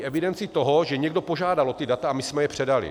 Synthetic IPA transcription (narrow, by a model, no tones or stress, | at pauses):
ʔɛvɪdɛnt͡sɪt̪o̞ɦo̞ʒɛɲɛɡdo̞po̞ʒaːdalot̪ɪdat̪aamɪsmɛjɛpr̥ɛdalɪ̰